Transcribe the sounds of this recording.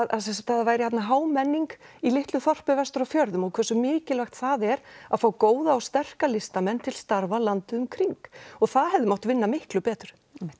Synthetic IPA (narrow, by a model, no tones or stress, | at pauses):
ðaðsɛnsamt̪ʰaðavaːjɾɪçat̪naɦaːwmɛnːiŋkilɪht̪lʏθɔr̥pɪvɛst̪ʏɾawfjœɾðʏmɔɣkʰvɛsʏmɪːcɪlvajxt̪θaðɛɾaðfaːwkoːwðaːwst̪ɛr̥kalɪst̪amɛnt̪ʰɪl̥st̪aɾvalant̪ʏʏmkʰɾiŋkɔɣθaðɦɛvðʏmawt̪ɪvɪnːamɪhklʏpɛːt̪ɾ̥ʏ̥